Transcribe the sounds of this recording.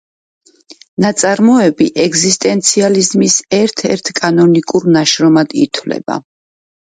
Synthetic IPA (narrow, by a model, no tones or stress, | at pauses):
nat̪sʼaɾmɔɛbiʔɛɡzist̪ʼɛnt̪sʰializmisɛɾt̪ʰɛɾt̪ʰkʼanɔnikʼuɾnaʃɾɔmad̪ḭt̪ʰwlɛ̰ba̰